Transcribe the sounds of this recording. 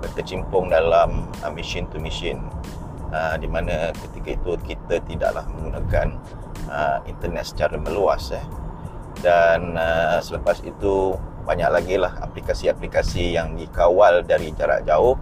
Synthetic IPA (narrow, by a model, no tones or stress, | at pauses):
bərkət͡ʃimpʊŋdalam | əmiʃint̪umisɪn | ədimanə̃kət̪ikait̪ukit̪ət̪ida̰ʔla̰hmə̃ŋɡunãkan | əint̪ərnɛ̰t̪̚sə̥t͡ʃaɾamə̃luasɛ | danəsələpasḭt̪u | baɲa̰ʔ̚laɡilaha̰plikasiaplikasijaŋdikawaldaɾid͡ʒaɾa̰ʔd͡ʒaʊh